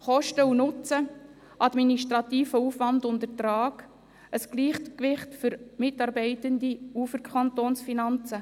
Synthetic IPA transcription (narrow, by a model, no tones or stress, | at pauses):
χɔʃtəunʊt͡sə | ʔɑdminiʃtɾɑtiːfəuːfʋɑndʊndətɾɑːɡ̥ | əsɡ̥liːχtkʋɪχtfʏɾmɪtɑɾbɛɪtəndiuːfəɾkʰχɑntoːnsfinɑnt͡sə